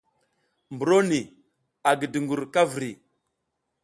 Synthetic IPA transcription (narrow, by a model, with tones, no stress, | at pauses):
mbu˨ɾo˦ni˨ | a˨ɡə˨də˨ŋɡu˨ɾka˦vɾi˨